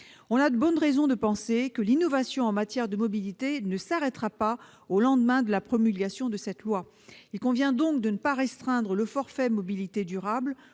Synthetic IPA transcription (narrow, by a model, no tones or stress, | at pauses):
ɔ̃nad̪əbɔnʁɛzɔ̃d̪əpɑ̃sekəlinɔvasjɔ̃ɑ̃mat̪jɛʁd̪əmɔbilit̪enəsaʁɛt̪χapa | olɑ̃d̪mɛ̃d̪əlapχɔmylɡʲasjɔ̃d̪əsɛt̪lwa | ilkɔ̃vjɛ̃d̪ɔ̃k̚d̪ənəpaʁɛst̪χɛ̃d̪ʁələfɔʁfɛmɔbilit̪ed̪yʁabl